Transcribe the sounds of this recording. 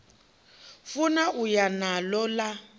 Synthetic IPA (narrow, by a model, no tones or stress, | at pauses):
funaʔujanalɔla